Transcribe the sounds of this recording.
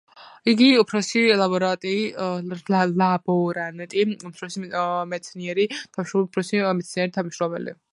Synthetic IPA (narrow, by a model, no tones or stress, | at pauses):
iɡiupʰɾɔsilabɔɾat̪ʼi | alabɔɾanɛt̪ʼiupsɾɔsimɛt̪sʰniɛɾit̪ʰaʃɾɔupʰɾɔsimɛt̪sʰniɛɾit̪ʰamʃɾɔbɛ̰lḭ